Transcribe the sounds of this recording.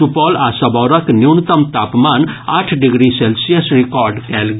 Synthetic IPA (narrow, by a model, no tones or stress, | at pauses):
upɔlasɐbɔɾɐkniwnt̪əmt̪aːpmanaːʈʰɖiɡɾiselsijəsɾikɔːɾɖkɛlɡ